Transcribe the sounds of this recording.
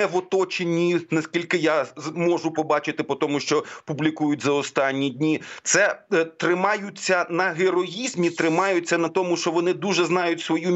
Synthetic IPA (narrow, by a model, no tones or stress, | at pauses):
ɛʋɔt̪ɔt͡ʃenʲːinɐskʲilʲkɪjamɔʒʊpɔbɑt͡ʃɪt̪ɪpɔt̪ɔmʊʃt͡ʃɔpublʲikujʊtʲzɐɔst̪ɑnʲːidʲnʲit̪sɛt̪ɾɪmɑjʊt͡sʲːɐnɐɦeɾɔjizʲmʲit̪ɾɪmɑjʊt͡sʲːɐnɐt̪ɔmʊʃt͡ʃɔʋɔnɪd̪uʒɛznɑjʊtʲsʋɔju